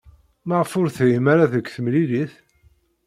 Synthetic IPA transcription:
məʁfʊɾθʕimaɾaðəkːθəmliliθ

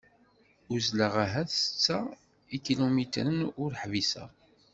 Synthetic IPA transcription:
uzləʁæɦæθsə̥t͡sːa | ikːilumit̪ɾənʊɾəħvisə̰ʁ

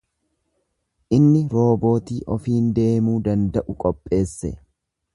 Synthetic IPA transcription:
ʔɪnːɪɾo̞ːbo̞ːt̪iːʔɔfiːnd̪e̞ːmuːd̪ɐnd̪ɐʔʊkʼɔpʼːe̞ːsːɛ̰

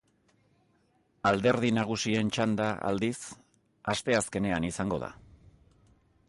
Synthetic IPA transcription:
ald̪e̞ɾð̞inaɣ̞usie̞nt͡ʃand̪aa̰ld̪is | ast̪e̞aske̞ne̞anisaŋɡo̞ða̰

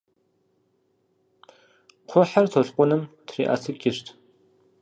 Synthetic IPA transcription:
qʷʰʊħartʰoɬqʷʊnɨmtʰrḭːʔa̰sɨkʲɪʂtʰ

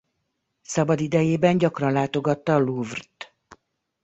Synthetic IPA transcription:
sɒbɒd̪id̪ɛjeːbɛnɟɒkrɒnlaːt̪o̞ɡɒt̪ːɒːluvrt̪

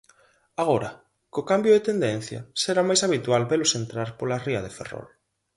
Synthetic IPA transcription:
aɣoɾɐ | kokambjʊðet̪end̪en̟θjɐ̰sɛɾamajsaβit̪ualbelʊsent̪ɾaɾpolariɐðefḛrɔ̰l

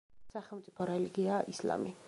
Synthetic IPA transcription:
saχɛlˠmt̪sʼipʰɔɾɛliɡiaʔisla̰mi

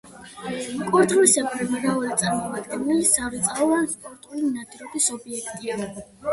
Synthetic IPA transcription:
kʼuɾd̪ɾulisapʰɾɛmɾaɔlt̪sʼaɾmɔmad̪ɡɛnilisavɾit̪sʼauanspʼɔɾt̪ʼulinad̪iɾɔbisɔbiɛkʰt̪ʼia

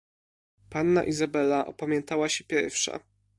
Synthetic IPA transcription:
panːa̰ʔizabɛlaʔɔpamʲjɛnt̪awaɕɛpʲjɛɾfʂa̰

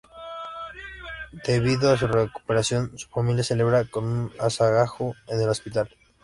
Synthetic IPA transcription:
d̪̥e̞βiðoas̬ureku̥pe̞ɾasjo̞nsu̥familjasele̞βɾako̞nunasaɣaxoene̞lo̞spit̪al

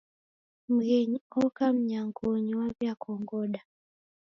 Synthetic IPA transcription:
m̩ɣiɲɔkam̩ɲaŋɡɔɲwavjakɔŋɡɔɗa

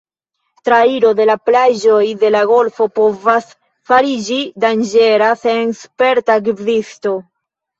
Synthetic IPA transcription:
tɾaiɾo̞de̞laplad͡ʒo̞jde̞laɡo̞lfo̞po̞vas | faɾid͡ʒidand͡ʒe̞ɾase̞nspe̞ɾtakvisto̞

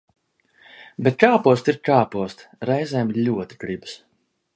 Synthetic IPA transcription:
bɛt̪̚kaːpuɔst̪iɾkaːpuɔst̪ɾɛjzɛjmilʲuɔt̪i̥ɡɾibs

